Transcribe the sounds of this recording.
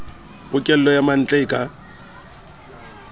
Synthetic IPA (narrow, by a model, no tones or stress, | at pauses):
pʼʊkʼɛl̩lɔjaman̩t͡ɬʼeːkʼa